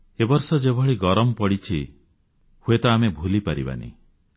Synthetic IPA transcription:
ebɔɾsɔd͡ʒebʱɔɭiɡɔɾɔmɔpɔɽit͡ʃʰi | huet̪ɔamebʱulipaɾḭba̰nḭ

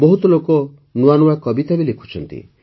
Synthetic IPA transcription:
bɔɦut̪ɔlokɔ | nuanuakɔbit̪abilekʰu̥t͡ʃʰɔnt̪ḭ

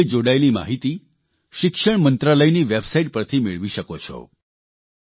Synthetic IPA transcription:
jd͡ʒoɽaelima̰ɦit̪i | ʃɪkʃəɳ̃mənt̪ɾaləjniʋebsaiʈ̚pəɾt̪ʰimeɭʋiʃəkot͡ʃʰɔ̰

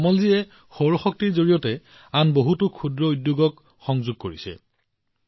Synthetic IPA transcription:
ɔmɔlziɛ | xoɹɔxɔk̚tiɹzoɹijɔtɛ | anboɦutʊkʰudɹɔudjuɡɔk | xɔŋzuɡ̚koɹisɛ̰

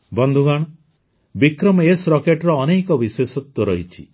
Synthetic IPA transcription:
bɔnd̪ʱuɡaɽ̃ɔ | bikɾɔmɔesɾɔkeʈɾɔːnejkɔbisesɔt̪wɔɾɔɦit͡ʃʰi

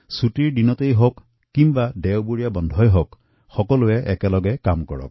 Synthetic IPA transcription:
sutiɹɖinɔtejɦokː | imbadɛwbuɹijabɔnd̪ʱɔjɦok | xɔkɔluɛʔɛkɛlɔɡɛkamkɔɹɔ̰k̚

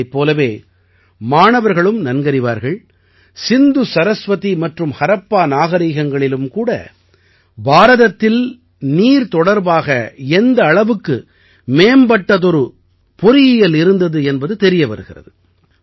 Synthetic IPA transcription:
ɪpːoːlɐʋeː | maːɳɐʋɐɾɣɐɭɯmnɐnɡɐɾɪʋa̰ːɾɣɐɭ | sɪnd̪ɯsɐɾɐsʋɐt̪imɐʈrɯmhɐɾɐpːaːnaːɣɐɾiːɣɐŋɡɐɭɪlɯmkuːɽɐ̰ | baːɾɐðɐt̪ːɪl | niːɾt̪ɔɽɐɾbaːɣɐɛnd̪ɐːɭɐʋɯkːɯ | meːmbɐʈːɐðɔɾɯ | pɔɾɪjɪjɐlɪɾɯnd̪ɐðɯɛnbɐðɯt̪ɛɾɪjɐpɐ̰ɾɯɣɪrɐ̰ðɯ

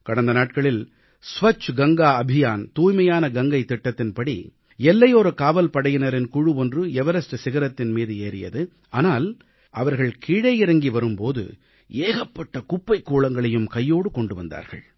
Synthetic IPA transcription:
kɐɽɐnd̪ɐnaːʈkɐɭɪl | sʋɐt͡ʃːɡɐŋɡaːɐbʱɪjaːnt̪uːjmɐjaːnɐɡɐŋɡɐɪt̪ːɪʈːɐt̪ːɪnpɐɽḭ | ɛlːɐjoːɾɐkaːʋɐlpɐɽɐjɪnɐɾɪnkʊɻɯɔndrɯɛʋɐɾɐsʈɐsɪɣɐɾɐt̪ːɪnmiːðɯeːɾɪ̰jɐ̰ðɯ | ʔaːnaːl | ʔɐʋɐɾɣɐɭkʰiːɽɐjɪɾɐŋɡiʋɐɾɯmpoːðɯ̰ | eːɣɐpːɐʈːɐkʊpːɐɪkːuːɭɐŋɡɐɭɐjɯmkɐjːoːɽɯkɔɳɖɯʋɐnd̪a̰ːɾɣɐ̰ɭ

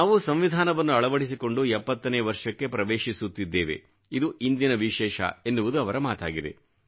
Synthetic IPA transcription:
naːʋusɐmʋid̪ʱaːnɐʋɐnːuɐɭɐʋɐɽisiko̞ɳɖuɛpːɐt̪ːɐneːʋɐɾʂɐkːe̞pɾɐʋeːʃisut̪ːid̪ːeːʋḛ | id̪uʔind̪inɐʋiʃɛːʃɐ̰e̞nːuʋud̪uɐʋɐɾɐmaːt̪a̰ːɡid̪e̞̰

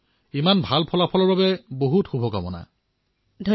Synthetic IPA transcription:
imanbʱalpʰɔlapʰɔlɔɹbabɛboɦutxubʱɔɡamɔ̰na̰ | dʱ

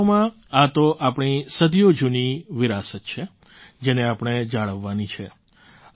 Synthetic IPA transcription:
mã | at̪oʔapɳ̃isəd̪jod͡ʒuniʋɪɾasət̪̚t͡ʃʰe | d͡ʒeneapɽ̃ed͡ʒaɭəʋːanit͡ʃʰe

